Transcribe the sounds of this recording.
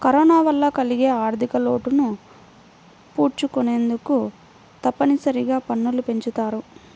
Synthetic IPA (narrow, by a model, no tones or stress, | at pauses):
kɐɾɔːnaːʋɐlːɐkɐliɡe̞ːaːɾt̪ʰikɐlo̞ːʈunu | puːɾt͡ʃukune̞ːnd̪uku | t̪ɐpːɐnisɐɾiɡaːpɐnːulupe̞ɲt͡ʃut̪aːɾu